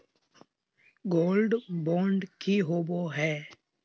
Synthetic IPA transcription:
ɡoːlɖbɔːɳɖkiɦoːboɦɛː

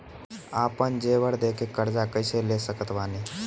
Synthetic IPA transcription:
apənd͡ʒeʋəɽd̪ekekəɾd͡zakəjselesəkət̪ʋani

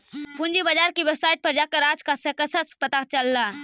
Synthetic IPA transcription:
pund͡ʒibəd͡ʒaɾkibebsajʈ̚pəɾd͡ʒakəɾad͡ʒkasəkəsʰəspət̪akt͡ʃəlːa

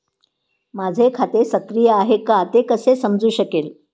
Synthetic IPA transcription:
mad͡zʱekʰat̪esəkɾijəaɦekat̪ekəsesəmd͡zuːɕəkeːl

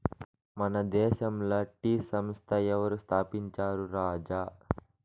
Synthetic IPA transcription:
mɐnɐd̪ɛːʃɐmlɐʈiːsɐmst̪ʰɐɛʋɐɾust̪ʰaːpiɲt͡ʃaːɾuɾaːd͡ʒaː

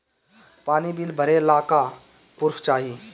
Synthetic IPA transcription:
paːnibilbʱəɾelaːka | pʊɾfʰt͡ʃaːɦi

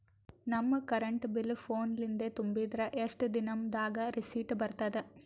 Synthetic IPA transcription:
nɐmːɐkɐɾɐɳʈbilpʰoːnlind̪et̪umbid̪ɾɐʔeʂʈd̪inɐmd̪aːɡɐɾisiːʈbɐɾt̪ɐd̪e

